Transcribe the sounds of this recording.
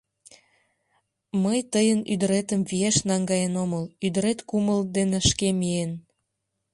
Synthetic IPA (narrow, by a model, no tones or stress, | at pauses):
məjt̪əjənyd̪əɾet̪əmvieʃnɑŋɡɑjenoməlyd̪əɾet̪kuməld̪eneʃkemien